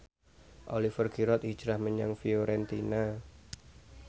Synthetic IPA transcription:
ʔolifərɡiɾɔt̪i̥d͡ʒʒ̥ɾahməɲaŋfioɾɛnt̪ina

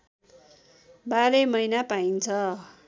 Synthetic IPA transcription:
baɾʌmʌjnapaint͡sʰʌ

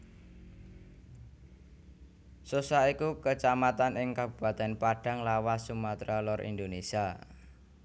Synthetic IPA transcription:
susaikukət͡ʃamat̪anɪŋkab̥ṳb̥a̤t̪ɛnpaɖ̥a̤ŋlawasumat̪ɾalɔɾʔḭnd̪onesia

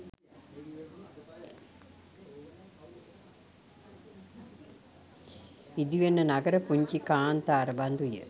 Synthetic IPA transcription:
id̪iʋenːɐnɐɡəɾɐpuɲt͡ʃikaːnt̪aːɾɐband̪ujə̰

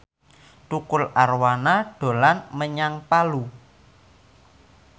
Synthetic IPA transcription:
t̪ukʊlarwanaɖ̥o̤lanməɲaŋpalu

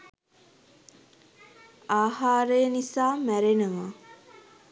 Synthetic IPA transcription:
aːhaːɾəjənisaːmæɾenəʋa

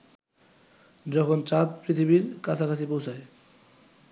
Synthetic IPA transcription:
d͡ʑɔkʰont͡ɕat̪̚pɾit̪ʰibiɾkat͡ɕʰakʰasipowt͡ɕʰae

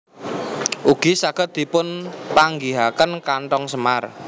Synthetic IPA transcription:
ʔuɡ̥i̤saɡ̥ə̤t̪̚d̪̥i̤pʊnpaŋɡiɦakənkaɳʈ̪ɔŋsəmar

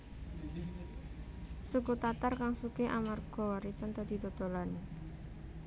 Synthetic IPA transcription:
sukut̪at̪arkaŋsukeʔamarɡ̥ɔ̤aɾisɔnt̪ad̪̥i̤t̪ot̪olan

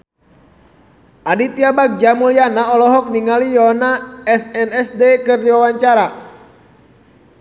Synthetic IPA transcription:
ʔadit̪iabak̚d͡ʒamulianaɔlɔɦɔk̚niŋalijɔnaɛsɛnɛsdekɨrdiwawaɲt͡ʃaɾa

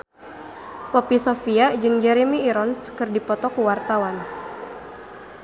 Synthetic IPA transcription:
pɔpisofiad͡ʒɨŋd͡ʒɛɾemiːɾɔnskɨrdipɔt̪ɔkuwart̪awan

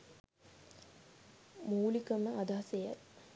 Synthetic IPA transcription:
muːlikəməʔad̪aɦsejə̰t

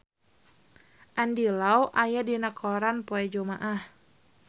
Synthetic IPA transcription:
ʔandilawʔajadinakʰɔɾanpoɛd͡ʒomaʔah

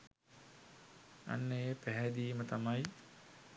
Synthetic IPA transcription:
a̰nːəjepæɦɛd̪iːmət̪amaj

